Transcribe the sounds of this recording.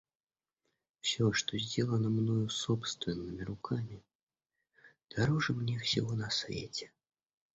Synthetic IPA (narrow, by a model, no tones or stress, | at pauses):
fsʲoʂt̪ozʲdʲelˠənəmnojʊsopst̪vʲɪnːɨmʲɪɾʊkʰamʲɪ | d̪̥aɾɔʐɨmnʲefsʲɪvɔnɐsvʲḛtʲɛ̥